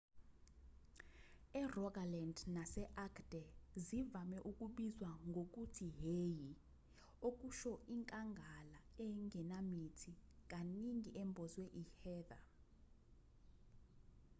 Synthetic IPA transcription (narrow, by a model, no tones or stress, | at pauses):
ɛrɔkalɛndnasɛʔakʰd̥ɛzivamɛʔuk̬ʼuɓizwaŋɡʱok̬ʼutʰiɦeːji | ok̬ʼuʃɔʔiŋkʼaŋɡʱalaɛŋɛnamitʰik̬ʼaniŋiʔɛmbʱɔzwɛʔihɛːða